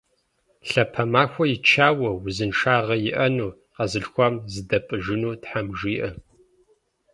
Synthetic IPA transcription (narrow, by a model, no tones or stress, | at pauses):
ɬɐpʰɐmaːxʷɔjɪt͡ʃʰaːwɐwzɨnʂaːʁɐjɪʔɐnuː | qɐzɨɬxʷɐmzɨdɐpʼɨʒɪnuːtħamʒiːʔɐ